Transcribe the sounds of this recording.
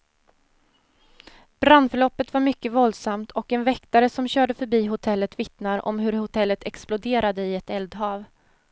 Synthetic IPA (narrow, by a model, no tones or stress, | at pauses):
b̥ɾand̪fœɭɔpːət̪vaɾmʏkːəvɔld̪samt̪ʰɔkɛnvɛkt̪aɾəsɔmɕœːɖəfœɾbiːɦʊt̪ʰɛlːət̪vɪt̪naɾʔɔ̰mɦɵɾhʊt̪ʰɛlːət̪ʰɛksplʊd̪eːɾad̪əɪɛt̪ɛld̪ɦɑːv